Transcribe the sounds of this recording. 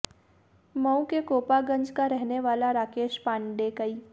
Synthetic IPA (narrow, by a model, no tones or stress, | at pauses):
mə̃w̃kekoːpaɡə̃ɲd͡ʒkaɾɛɦneʋaːlaɾaːkeːʃpãːɳɖekəiː